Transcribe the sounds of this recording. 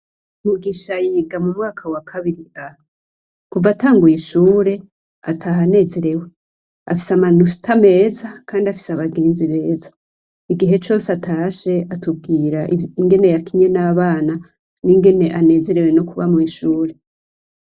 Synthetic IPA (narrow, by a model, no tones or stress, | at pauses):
muɡiːʃajiːɡamumŋaːkʰawakʰaβiɾia | kuvataːŋɡujiʃuːɾe̞ | a̰tʰaːɦane̞ːze̞ɾe̞we̞ | a̰fi̥saman̥u̥tʰame̞ːzakʰaːndiafi̥saβaɡeːnziβe̞ːzḁ | iɡiɦe̞t͡ʃo̞ːseatʰaʃe̞atub̚ɡiːɾaiŋɡe̞ne̞jakiɲe̞naːβaːna | niŋɡe̞ne̞ʔane̞ːze̞ɾe̞we̞no̞kuβa̰miiʃuːɾe̞